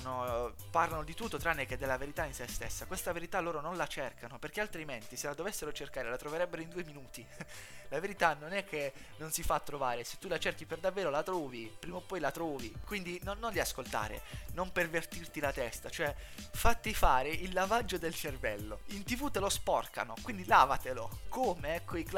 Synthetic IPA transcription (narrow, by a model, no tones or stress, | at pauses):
no | parlanod̪it̪ut̪ːot̪ɾanːek̟eɛd̪ːɛlːaveɾit̪ainsɛst̪ḛsːakwest̪aveɾit̪alːoːɾononlat͡ʃɛrkʰanoperk̟ealt̪ɾiment̪iselad̪ovesːeɾot͡ʃerkaːɾelat̪ɾoveɾɛbːeɾoind̪uːeminuːt̪ilaveɾit̪anonɛkʰːe | nːonsifat̪ːɾovaːɾese̥t̪ːulat͡ʃɛrk̟iperd̪avːeːɾolat̪ɾɔːvipɾiːmaopːɔjlat̪ɾɔːvikwind̪inonːond̪iaskolt̪a̰ːɾḛnompervert̪irt̪ilat̪ɛst̪at͡ʃoɛfat̪ːifaːɾeʔilːavad͡ʒːod̪elt͡ʃervɛlːo̰int̪ivut̪elospɔrka̰nokwind̪ilaːvat̪elokʰoːmeɛkʰːoik